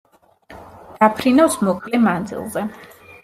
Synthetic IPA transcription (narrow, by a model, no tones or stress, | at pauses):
d̪̥apʰɾinasmɔkʰʼlɛmand̪zḭlˠzɛ